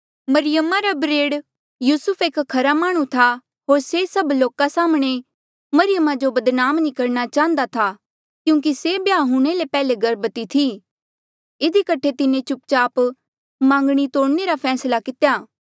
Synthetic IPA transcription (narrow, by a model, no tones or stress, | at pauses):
mɐɾɪjəmaɾabɾeːɽ | juːsʊpʰeːkkʰːɐɾamaːɽ̃ũt̪ʰa | ɦoːɾsesɐbloːkasaːmɽ̃e | mɐɾɪjəmad͡ʒobɐd̪naːmnĩkɐɾñat͡ʃaːə̃nd̪at̪ʰa | kjũːk̬isebjaːɦuɽ̃elepɛːleɡɐɾbət̪it̪ʰi | ɪd̪ikɐʈʰet̪ɪnẽt͡ʃʊp̚t͡ʃaːp | mãːŋɡɽ̃it̪oːɽneɾapʰɛːslakɪt̪ejaː